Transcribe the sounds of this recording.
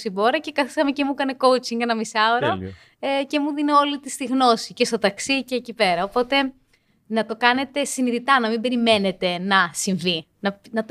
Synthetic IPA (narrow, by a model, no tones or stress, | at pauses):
sibo̞ɾɐce̞kɐθisɐme̞cemukɐne̞ko̞wt͡siŋɡenɐmisɐoɾo | ece̞muðineo̞lit̪ist̪iɣno̞sicest̪o̞t̪ɐksiceːcipe̞ɾɐopo̞t̪e̞ | nɐt̪o̞kɐne̞t̪e̞siniðit̪ɐnɐmimbe̞ɾime̞ne̞t̪e̞nɐsiɱvi | nɐnɐt̪